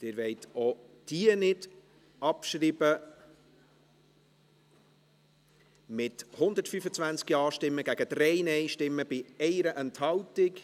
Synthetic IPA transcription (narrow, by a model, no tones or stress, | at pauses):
d̥ɪːɾvɛɪt̪o | d̥iənɪd | ɑpʃɾiːbə | mɪthʊnd̪ətfyfət͡svænt͡skiɑːʃtɪmːəɡæɡ̥əd̥̪ɾɛɪnɛɪʃtɪmːəbɪɛɪɾəʔɛnthɑltɪk